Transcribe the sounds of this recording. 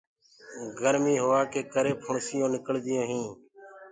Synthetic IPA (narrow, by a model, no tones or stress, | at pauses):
ɡʱəɾmiːɦoːaːkeːkəɾeːpʰʊɳsɪjõːnɪkəɭd̪ɪjõːɦĩː